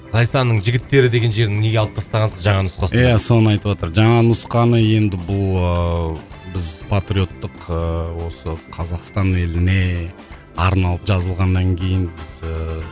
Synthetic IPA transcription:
zɑjsɑnːəɴʒɪɡʲɪt̪ːe̞ɾɪd̪e̞ɡʲe̞nʒe̞ɾd̪ɪŋne̞ɡʲelˠəp̚t̪ʰɑst̪ɑʁɑnsəzʒɑɴɑnʊsqɑsjæso̞nəɑjt̪əpwot̪əɾʒɑɴɑnʊsqɑnəje̞nd̪ɪbʊlˠə | bɪzpʰat̪ɾio̞t̪ːəqəwo̞səqʰɑzɑqst̪ɑnelɪne̞ | ɑɾnɑlˠəpʒɑzəlˠʁɑnːɑŋkʲʰe̞jɪnbɪzə

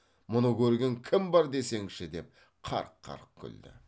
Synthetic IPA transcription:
mʊnəkʲɵɾɡʲeŋkʲʰɪmbɑɾd̪e̞se̞ŋʃɪd̪e̞p̚ | qʰɑ̰ɾqʰːɑ̰ɾq̚kʲʰʏ̰ld̪ɪ̰

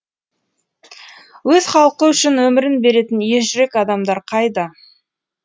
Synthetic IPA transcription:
wɵz̥χɑlˠəqəʏʃɪnwɵmɪɾɪnbe̞ɾe̞t̪ɪnje̞ʒʏɾe̞kɑd̪ɑmd̪ɑɾqʰɑjd̪ɑ

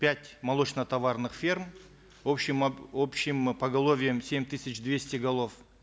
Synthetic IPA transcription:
pʲætʲmɐlˠo̞t͡ʃnət̪ɐvarnɨχfʲirm | opɕɪmopɕːɪmpɐɡɐlˠo̞vʲɪjəmsʲe̞mʲt̪ɨsʲɪt͡ʃd̪vʲe̞sʲtʲɪɡɐlˠo̞f

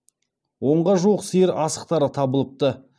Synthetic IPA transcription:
wo̞ɴʁɑʒuwəqsəjəɾɑsəq̚t̪ɑɾət̪ʰɑbəlˠəp̚t̪ə

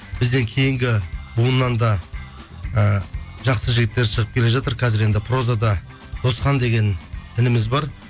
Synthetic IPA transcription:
bɪzd̪e̞ŋkʲʰe̞jɪŋɡʲɪbuənːɑnd̪ɑ | əʒɑqsəʒɪɡʲɪt̪ːe̞ɾʃəʁəp̚kʲʰe̞le̞ʒɑt̪əɾkʲʰæzɪɾe̞nd̪ɪpʰro̞zad̪ɑ | d̪̥o̞sqɑnd̪e̞ɡʲe̞nɪnɪmɪzbɑɾ

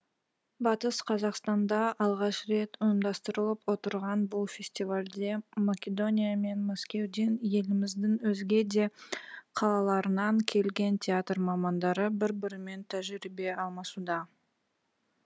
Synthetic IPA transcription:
bɑt̪əsqʰɑzɑqst̪ɑnd̪ɑʔɑlˠʁɑʃɾe̞t̪ʊjəmd̪ɑst̪əɾəlˠəpwo̞t̪əɾʁɑnbʊlˠfʲe̞sʲt̪ʲivalʲd̪e̞makʲe̞d̪o̞nʲijame̞nmaskʲe̞wd̪e̞nje̞lɪmɪzd̪ɪŋwɵzɡʲe̞d̪e̞qʰɑlˠɑlˠɑɾənɑŋkʲʰe̞lɡʲe̞nt̪ʲʰeat̪rmɑmɑnd̪ɑɾəbɪɾbɪɾɪme̞nt̪ʰæʒɾibe̞ɑlˠmɑsud̪ɑ

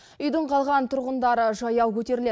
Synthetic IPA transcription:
ʏjd̪əɴqʰɑlˠʁɑnt̪ʰʊɾʁənd̪ɑɾəʒɑjɑwkʲʰɵt̪e̞ɾɪle

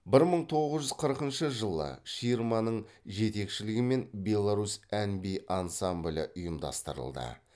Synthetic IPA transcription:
bɪɾməɴt̪ʰo̞ʁəzʒʏz̥qʰəɾəqənʃəʒəlˠə̰ʃijɾmɑnəɴʒe̞t̪e̞kʃɪlɪɡʲɪme̞nbʲe̞lˠaɾusænbijʔɑnsamblʲɪ̰ʔʊjəmd̪ɑ̰st̪əɾə̰lˠd̪ə̰

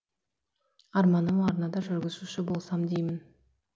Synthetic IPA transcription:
ɑɾmɑnəmɑɾnɑd̪ɑʒʏɾɡʲɪzuʃɪbo̞lˠsɑmd̪ejmɪn

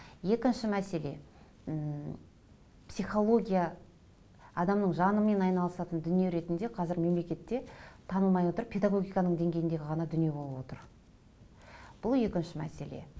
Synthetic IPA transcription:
je̞kʲɪnʃɪmæse̞le̞ | psijχo̞lˠo̞ɡʲija | ɑd̪ɑmnəɴʒɑnəme̞nɑjnɑlˠəsɑt̪ənd̪ʏnije̞ɾe̞t̪ɪnd̪e̞qʰɑzɪɾme̞mle̞kʲe̞t̪ːe̞t̪ʰɑnəlˠmɑjwo̞t̪əɾpʰe̞d̪aɡo̞ɡʲijkɑnəɴd̪e̞ŋɡʲejɪnd̪e̞ɡʲɪʁɑnɑd̪ʏnije̞bo̞lˠəpwo̞t̪əɾ | b̥ʊlˠje̞kʲɪnʃɪmæ̰se̞̰le̞̰

